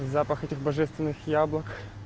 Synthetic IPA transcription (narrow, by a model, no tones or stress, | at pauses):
zapəxɛtʲɪxbɐʐɛst̪vʲɪnːɨxjablˠək